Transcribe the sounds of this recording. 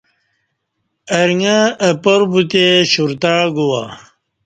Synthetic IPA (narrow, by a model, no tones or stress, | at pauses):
ɐɾŋaːpoɾbut̪eɕuɾt̪aːɡuwa